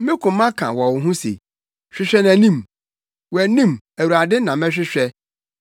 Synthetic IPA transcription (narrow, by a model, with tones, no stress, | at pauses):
mɪ̃˦kʰʊ̃˨mː˦ã˦kʰã̰˨wɔ˨wʊ˨ɦũ˦sḛ˨ | ɕᶣɪ˦ɕᶣɛ˦næ̃˨nĩ˦˨m | wæ˨nĩ˦m | æ˨wu˨ɾa˨dɪ˦nã˨mɛ̃˦ɕᶣɪ˦ɕᶣɛ˦